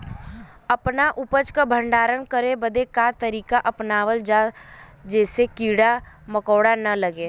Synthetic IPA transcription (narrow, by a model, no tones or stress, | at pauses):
əpnaʔʊpət͡ʃkabʱə̃ɳɖaːɾənkəɾebəd̪ekat̪əɾiːkaʔɐpnaːʋəld͡ʒad͡ʒɛːsekiːɽa | məkoːɽanɐləɡeː